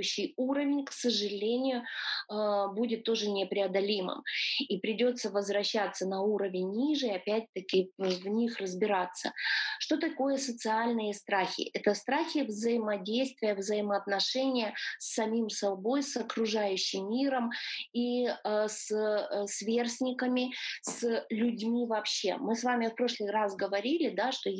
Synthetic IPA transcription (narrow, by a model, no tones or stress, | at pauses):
ɕːɪjuɾəvʲɪnʲksəʐɨlʲenʲɪjʊ | budʲɪt̪ːo̞ʐɨnʲɪpɾʲɪɐd̪ɐlʲimɨ̰mipɾʲɪdʲo̞t̪sːəvəzvɾɐɕːat̪sːənɐuɾəvʲɪnʲːiʐɨɐpʲæt̚ʲt̪ːəkʲɪvnʲixrəzbʲɪɾat̪sːə̰ʂt̪o̞t̪ɐko̞jəsət̪sɨalʲnɨjəst̪ɾaxʲɪ̰ʔɛt̪əst̪ɾaxʲɪvzəɪmɐdʲejst̪vʲɪjəvzəjɪməːt̪nɐʂɛnʲɪjəsːɐmʲimsɐbo̞jsɐkɾʊʐajʉɕːɪmːʲiɾəmissvʲersʲnʲɪkəmʲɪslʲʊdʲmʲivɐpɕːe̞̰mɨsvamʲɪfpɾo̞ʂlˠɨjrasɡəvɐɾʲilʲɪd̪aʂt̪o